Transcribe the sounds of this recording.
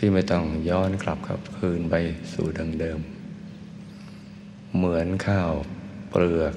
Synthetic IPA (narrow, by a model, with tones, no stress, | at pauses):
t̪ʰiː˥˩ma˥˩jt̪ɔ˥˩ŋjɔː˥˩nkʰla˨˩p̚kʰa̰˦˥p̚kʰɯː˧npa˧jsṵː˨˩da˧ŋdɤː˧m | ɯ˩˦ənkʰaː˥˩wpɾɯ˧˩ə